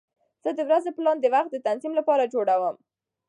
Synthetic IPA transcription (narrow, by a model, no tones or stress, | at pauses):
z̥əd̪əwɾazeplɑnd̪əwaxt̪̚d̪ət̪anzimlapɑɾad͡ʒoɽawəm